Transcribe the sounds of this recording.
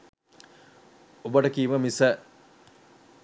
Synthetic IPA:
obəʈəkiːʋəmisə

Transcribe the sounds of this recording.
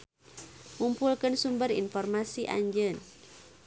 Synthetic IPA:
mumpulkənsumbərḭnfɔrmasiʔa̰ɲd͡ʒən

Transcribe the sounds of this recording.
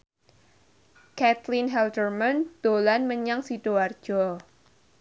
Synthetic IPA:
kɛt̪lɪnɦɛldərmand̪̥olanməɲaŋsid̥oard̥d͡ʒ̥ɔ

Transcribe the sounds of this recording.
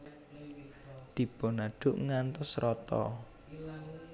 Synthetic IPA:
d̪̥i̤b̥ɔnaɖ̥ʊʔŋant̪ʊsɾɔt̪ɔ̰

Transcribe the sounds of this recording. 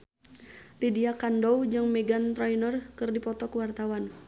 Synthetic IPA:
t̪idiakandɔwd͡ʒɨŋmɛɡant̪ɾɔinɔrkɨrdipɔt̪ɔkuwart̪awan

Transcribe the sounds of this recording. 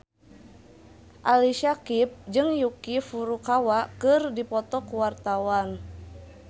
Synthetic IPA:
ʔaliʃakip̚d͡ʒɨŋjukifuɾukawakɨrdipɔt̪ɔkuwart̪awan

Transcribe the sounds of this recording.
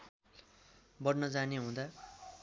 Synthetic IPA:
bʌrnʌd͡zaneɦũd̪a

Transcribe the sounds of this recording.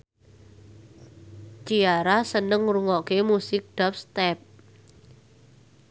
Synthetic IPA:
t͡ʃiaɾasənəŋɾuŋɔkemusɪk̚ɖ̥ap̚st̪ɛp̚

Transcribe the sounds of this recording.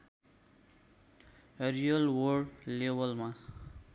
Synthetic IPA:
rijʌlwʌɖlebʌlma

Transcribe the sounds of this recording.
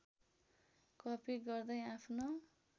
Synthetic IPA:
kʌpiɡʌrd̪ʌjapʰno

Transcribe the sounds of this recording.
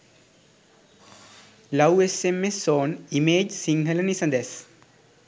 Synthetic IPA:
lɐwesemesːoːnimeːd͡ʒsiŋɡələnisəd̪ɛs

